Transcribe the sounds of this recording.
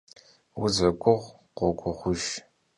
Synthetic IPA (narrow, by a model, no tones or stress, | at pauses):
ʊzɐɡʷʼʊʁ | qʷɔɡʷʼʊχʷʊʒ